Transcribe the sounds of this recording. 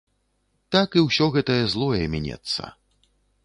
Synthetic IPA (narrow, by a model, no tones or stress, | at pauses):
t̪akiwsʲɔɣɛt̪ɐjɐzlˠɔjɛmʲɛnʲɛ̰t̪sːɐ̰